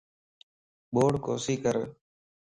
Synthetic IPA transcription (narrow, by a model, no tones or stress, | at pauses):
ɓoːɽko̰ːsiːkəɾ